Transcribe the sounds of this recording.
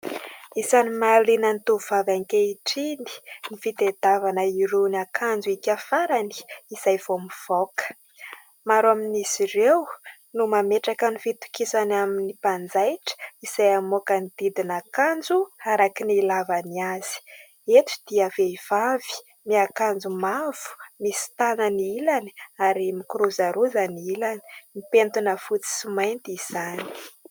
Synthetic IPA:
isanimalinənit̪uvavaŋkeiʈ͡ʂini̥nifit̪ed̪avanəiɾunakʰand͡zuikʲafaɾani̥izajv̥omiv̥okə̥ | maɾuaminisirew | numameʈ͡ʂakənifit̪u̥kisanaminipand͡zajʈ͡ʂə̥iz̥ajamokənid̪̥id̪inakand͡zuhaɾakinilavaniaz̥i̥ | et̪u̥d̪̥iaveiv̥avi̥ | miakand͡zumav̥u̥misi̥t̪anəniilani̥aɾimikɾuzaɾuzaniilani̥mipent̪unəfut͡si̥simajnt̪ːz̥ani̥i̥

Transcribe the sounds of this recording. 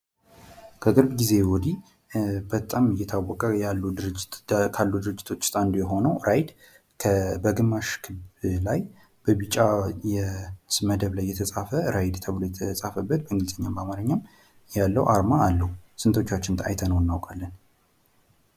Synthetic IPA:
kʰəkʼɨɾbɡize̞wɔd̪i | bət̪ʼamɨjːɛt̪ʰawːɔkʼəjalːud̪ɨɾkʰalːud̪ɨɾɨd͡ʒːɪt̪ʰo̞t͡ʃːt̪ʼand̪ojɛɦo̞nəwɾajd̪ | kʰəbəɡɨmːaʃkʰɨlaj | b̥əβɨt͡ʃʼajɛsməd̪əβlajːɛt̪ʰəsʼafəɾajd̪t̪ʰəβlojɛt̪ʰəsʼafəbːət̪bəɨŋɡɨlzʼəɲːambamaɾəɲːam | jalːə̰wʔaɾmaːlːəhusɨnt̪ʰo̞t͡ʃːat͡ʃːɪnt̪ʰa̰jt̪ʰənəwɨnːawkʼalːən

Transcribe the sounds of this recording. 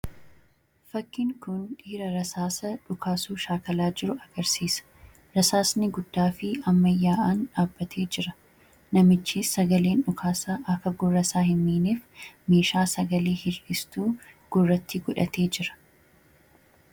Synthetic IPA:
fɐkːɪŋkʊnᶑiːɾɐɾɐsaːsɐᶑʊkʰaːsuːʃaːkɐlaːd͡ʒɪɾʊɐɡ̥ɐɾsiːsɐ̥ | ɾɐsaːsnɪɡʊd̪̥ːaːfɪɐmːɐjːaːʔaːnᶑaːbːɐt̪ʰe̞ːd͡ʒɪɾɐ | nɐmɪt͡ʃːiːɐɡɐleːnᶑʊkʰaːsaʔɐkɐɡʊrːɐsaːhɪnːiːneːfme̞ːʃaːsɐɡɐleːhɪɾɪst̪uːɡ̥ʊrːɐt̪ʰːɪɡʊᶑɐ̰t̪ʰe̞ːd͡ʒɪɾɐ̥

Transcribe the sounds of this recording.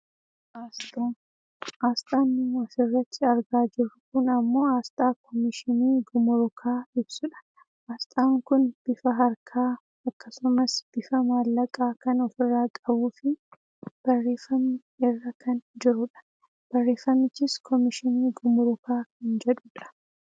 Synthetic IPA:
ast̪ː | aːst̪ʼaːnːɪɔfɪrːɐt̪ːɪɐɾɡaːd͡ʒɪɾʊkʊnɐmːo̞ːaːst̪ʼaːkʰɔmɪʃɪniːɡʊmʊɾʊkʰaːɪbsʊᶑɐ̥ | ʔaːst̪ʼaːŋkʊnb̥ɪfɐɦɐɾkʰaː | ɐkːɐsʊmɐsb̥ɪfɐmaːlːɐkʼaːkɐnɔfɪrːaːkʼɐbuːfɪ | b̥ɐrːe̞ːfːɐmːɪ | ɪrːɐkɐnd͡ʒɪɾʊᶑɐ̥ | b̥ɐrːe̞ːfːɐmːɪt͡ʃːɪskʰɔmɪʃɪniːɡʊmʊɾʊkaːkɐnd͡ʒɛᶑuːᶑɐ̥

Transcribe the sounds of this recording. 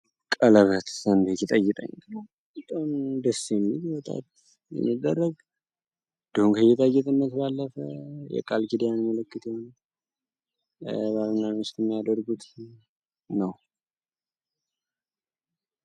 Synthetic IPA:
kʼələβət̪sənd̪et̪it̪ʼəjɪt̪ʼə̰ɲːnəw | bət̪ʼomd̪əsemːiwɔt̪ʼa̰t̪ | jɛ̰mːid̪ːərːəɡ̪ | d̪əhumkʰəjɛt̪ʼəjːɛt̪ʼɨnːət̪balːəfəjɛ̰kʼalɡid̪ijanməlɨkːɨt̪ehon | βaβnːanɨst̪ɛmːijad̪əɾɡut̪ | nəw

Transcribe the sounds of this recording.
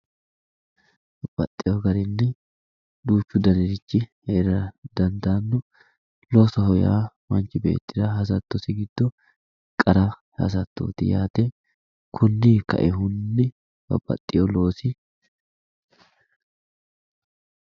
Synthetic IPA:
bɐb̥ɐt̪ʼːɪjɔɡɐɾɛnːɛ | d̪uːt͡ʃːʊd̪ɐnɛɾɪt͡ʃːɪheːɾɐd̪ɐnd̪aːnːɔ | loːsɐɦɔja̰ːmɐnt͡ʃːɪbe̞̰ːt̪ːɪd̪ɐhɐs̬ɐt̪ːɔsɪɡɪd̪̥ːɔ | kʼɐɾɐ | hɐ̰s̬ɐt̪ːo̰ːt̪ɪjaːt̪ɛ | kʰʊnːɪkɐ̰ʔɛɦʊnːɪ | bɐ̰bɐ̰t̪ʼːɪjɔlo̞ːsɪ

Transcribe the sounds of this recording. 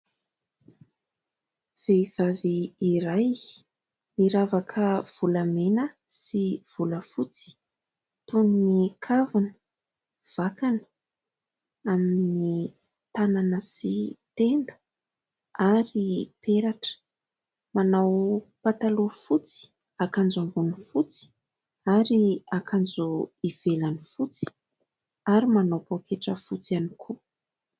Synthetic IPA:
v̥ez̥aviːɾaj | miɾavakʰəv̥ulamenə | siv̥uləfut͡si̥ | t̪unnikʰavunə̥ | v̥akanə̥ | amini | t̪ananəsit̪end̪ə̥ | aɾipeɾaʈ͡ʂə̥ | manawpat̪alufut͡si̥ | akand͡zaŋɡunifut͡si̥ | aɾiakʰand͡zuivelanifut͡si̥ | aɾimanawpokʰeʈ͡ʂəfut͡sianikʰu

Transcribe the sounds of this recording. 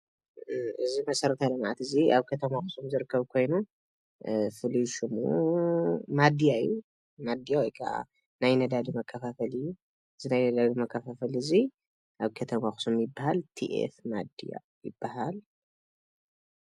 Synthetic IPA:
ʔɨzimɐsɐɾɐt̪ʰalɨmʕat̪ɨziaβkʰɐt̪ʰɐmaxɨ̥sumzɨɾɨkʰːɐβkʰo̞jnu | fɨliʃɨmṵ | mad̪ijaɨ̰jːu | mad̪ijawɔjkʰa̰ʔa̰ | najnɐd̪ad̪imɐkʰːɐfafɐlɨjːu | ɨzinajnɐd̪ad̪imɐkːɐfafɐlɨzi | ʔaβkʰɐt̪ʰɐmaxsumjɪbːahalt̪ʰiʔḛfmad̪ija̰ | jɪbːaɦal

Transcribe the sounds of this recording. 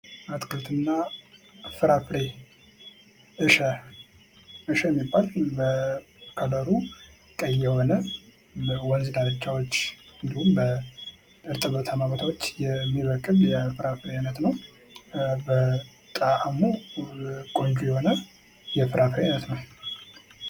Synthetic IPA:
at̪ʼkʰɨlt̪ʰɨnːa | fɨɾafɾe | ʔɨʃɛ | ʔɨʃɛjɛmːibːalbə | kʰələɾu | kʼəjːɛho̞nə | wɔnzɨdalɨt͡ʃːawot͡ʃːɨnd̪ihumbə | ɨɾt̪ʼɨβət̪ʰamaβət̪ʰawot͡ʃːjɛmːiβəkʼːɨβjɛfɨɾafɨɾeajnət̪nəw | bə | t̪ʼaʔamu | kʼo̞nd͡ʒujɛho̞nə | jɛfɨɾʔafɾeajnːət̪nəw

